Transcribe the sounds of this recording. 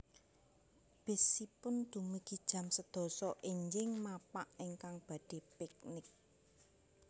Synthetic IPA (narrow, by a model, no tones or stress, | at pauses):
b̥ɪ̤sipʊnd̪̥umiɡ̥id̥ʒ̥ä̤msəd̪̥ɔ̤sɔʔiɲd͡ʒɪŋmapaʔeŋkaŋb̥ä̤d̪̥i̤pɛk̚nɪk̚